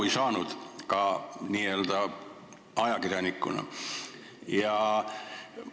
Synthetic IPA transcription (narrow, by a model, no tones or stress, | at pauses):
isɑːnut̪kɑːnielt̪æ | ɑjɑkirjɑnikːṵnɑ̰ | jɑ